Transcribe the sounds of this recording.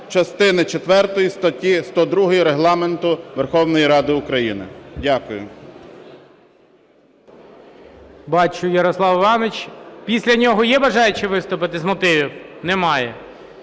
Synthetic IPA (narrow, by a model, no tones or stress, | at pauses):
t͡ʃɐst̪ɪnɪt͡ʃet̪ʋɛrt̪ɔjist̪ɐtʲist̪ɔd̪ɾuɦɔjiɾeɦlˠɑment̪ʊʋerxɔwnɔjiɾɑd̪ɪʊkɾɐjinɪ̰dʲakʊjʊ̰ | bɑt͡ʃʊjɐɾɔslˠɑwʋɑnɪt͡ʃpʲisʲlʲɐnʲɔɦɔjɛbɐʒɑjʊt͡ʃɪʋɪst̪ʊpɪt̪ɪzmɔt̪ɪʋʲiwnɛmɑjɛ